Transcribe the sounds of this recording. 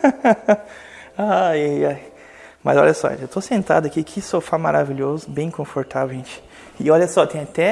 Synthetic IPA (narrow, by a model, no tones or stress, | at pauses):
aajaj | mɐzɔ̰lʎɐsɔ̰ʒḛ̃ewt̪osẽnt̪a̰d̪ʊɐkikʰɪsofamaɾaviʎozʊbẽj̃kõfoɾt̪avewʒẽt͡ʃɪ̥ | ɪɔʎɐsɔt̪ẽj̃ɐt̪ɛ